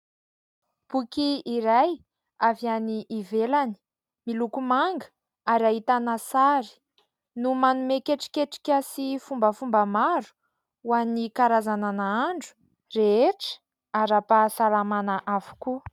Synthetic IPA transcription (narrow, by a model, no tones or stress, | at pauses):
b̥ukiiɾaj | avianiʔːvelani̥ | milukumaŋɡə̥ | aɾaɦit̪anasaɾi̥ | numanumekeʈ͡ʂi̥keʈ͡ʂi̥kʲəsifumbəfumbəmaɾu̥ | uanikaɾazananaaɳɖ͡ʐu̥ | reeʈ͡ʂə̥ | aɾapasalamanaʔavu̥ku